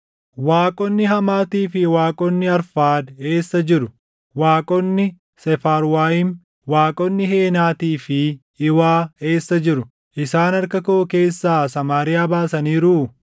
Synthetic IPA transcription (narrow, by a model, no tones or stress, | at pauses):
waːkʼɔnːɪɦɐmaːt̪iːfɪwaːkʼɔnːɪɐɾfaːd̪e̞ːsːɐd͡ʒɪɾʊ | waːkʼɔnːɪ | sɛfaːɾwaːjɪm | waːkʼɔnːɪheːnaːt̪iːfɪː | waːe̞ːsːɐd͡ʒɪɾʊ | ʔɪsaːnɐɾkɐkoʔːke̞ːsːaːsɐmaːɾɪjaːbaːsɐniːɾuː